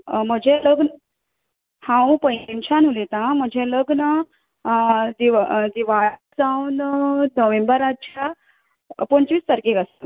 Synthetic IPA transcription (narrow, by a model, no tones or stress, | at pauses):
m̤əd͡ʑʱeləɡn | hãpə̃int͡ɕʰanulet̪ãm̤əd͡ʑʱeləɡnə | d̪iʋd̪iʋad͡zaunnəʋẽmbəɾat͡ɕʰa | pəɳt͡ɕʋiːst̪əɾkeɡasə